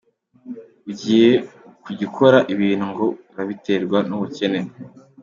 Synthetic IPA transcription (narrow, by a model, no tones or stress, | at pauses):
uɟiːje̞ | kuɟikʰo̞ɾaʔiβiːn̥huŋɡo̞ | ɾaβite̞ɾɡwanuβuce̞ne̞ɾe